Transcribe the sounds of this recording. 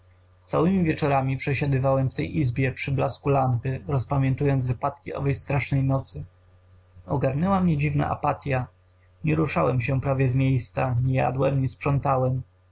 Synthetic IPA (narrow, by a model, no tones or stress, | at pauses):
t̪sawɘmʲivʲjɛt͡ʂɔɾamʲipʂɛɕad̪ɘvawɛmft̪ɛjʔizbʲjɛpʂɘblaskulampɘɾɔspamʲjɛ̃nt̪ujɔnd̪vɘpat̪kʲiʔɔ̰vɛjst̪ɾaʂnɛjnɔt̪sɘ | ɔɡaɾnɛwamɲɛd͡ʑivna̰ʔa̰pat̪ʲja | ɲɛɾuʂawɛmɕɛpɾavʲjɛzmʲjejst̪saɲɛja̰d̪wɛmɲɛspʂɔnt̪awɛm